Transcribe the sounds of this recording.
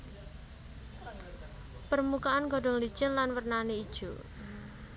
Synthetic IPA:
pərmukaanɡɔ̤ɖ̥ɔ̤ŋlid̥ʒ̥ənlanwərnaneid̥ʒ̥ṵ

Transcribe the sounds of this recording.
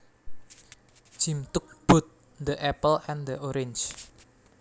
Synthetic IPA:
d͡ʒ̥imt̪ʊk̚b̥ʊ̤t̪̚ | d̪əʔɛpəlɛnd̪əʔoɾɪnt͡ʃ

